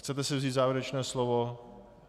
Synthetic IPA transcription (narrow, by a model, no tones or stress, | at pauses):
xt͡sɛt̪ɛsɛvziːt̪zaːvjɪɾɛt͡ʃnɛːslovo